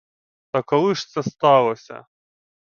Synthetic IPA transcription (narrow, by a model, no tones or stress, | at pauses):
t̪ɐkɔlˠɪʂt̪sɛst̪ɑlˠɔsʲɐ̰